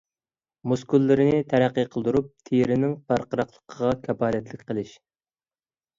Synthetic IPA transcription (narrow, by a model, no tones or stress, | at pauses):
muskulːɪɾɪnɪt̪ʰɛɾæqːiqʰəlˠd̪uɾup̚t̪ʰejɾɪnɪŋpɑɾqəɾɑqlˠə̥qʰəʁɑkʲʰɛbɑːlɛt̪lɪkʲqʰəlˠɪʃ